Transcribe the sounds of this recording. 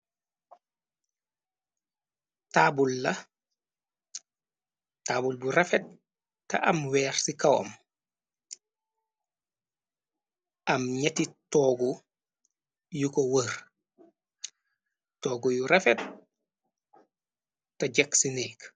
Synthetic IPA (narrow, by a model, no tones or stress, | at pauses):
taːbulːɐ | taːbulburɛfɛt̚ | tːɐ̰ʔɐmwɛːɾsikɐwo̰m | ɐmɲɛtitɔːɡu | jukowəɾ | tɔːɡujuɾefɛt̚ | tɐɟɐksinɛːk